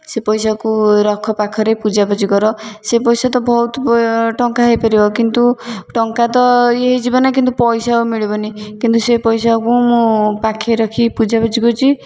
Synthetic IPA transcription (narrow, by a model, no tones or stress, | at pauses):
sepɔjsakuɾɔkʰɔpakʰɔɾepud͡ʒabɔd͡ʒikɔɾɔsepɔjsat̪ɔbɔut̪ʈɔŋkaɦɔjpɔɾibɔkint̪uʈɔŋkat̪ɔeɦid͡ʒibɔnak̬int̪upɔjsaumiɭibɔnikint̪usepɔjsakũmũpakʰeɾɔkʰipud͡ʒabɔd͡ʒikut͡ʃʰi